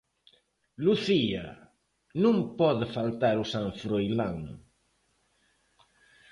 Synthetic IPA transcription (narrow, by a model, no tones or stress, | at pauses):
luθia̰ | nũŋpɔðɪfalt̪aɾusãɱfɾojlaŋ